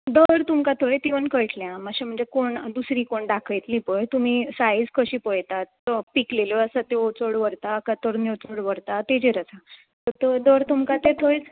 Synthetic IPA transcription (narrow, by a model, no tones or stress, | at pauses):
d̪əɾt̪umkat̪ʰoɭet̪iʋənkəjʈʰljãməɕem̤əɳd͡zekoɳd̪usɾiːkoɳɖakʰəjt̪lĩːpəjt̪um̤iːsajid͡zkʰəɕiːpəjt̪at̪ːəpikleləəsat̪eot͡soɽʋəɾt̪akət̪əɾnewt͡soɽʋəɾt̪at̪ed͡ʑeɾət͡sʰa | t̪ət̪əd̪əɾt̪umkat̪et̪ʰojt͡s